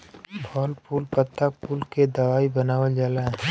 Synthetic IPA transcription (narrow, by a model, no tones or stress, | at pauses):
bʱɔːlpʰuːlpət̪ːak̚puːlked̪ɐʋaːibɐnaːwəd͡ʒaːla